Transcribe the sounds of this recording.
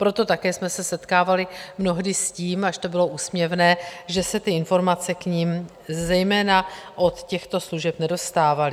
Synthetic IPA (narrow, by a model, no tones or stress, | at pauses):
pɾo̞t̪o̞t̪akɛːsmɛsɛsɛt̪kaːvalɪmno̞ɦdɪsciːmaʃt̪o̞bɪlo̞ʔuːsmɲɛvnɛːʒɛsɛt̪ɪɪnfo̞ɾmat͡sɛkɲim | zɛjmɛːnaʔot̪cɛxt̪o̞sluʒɛpnɛdo̞st̪aːvalɪ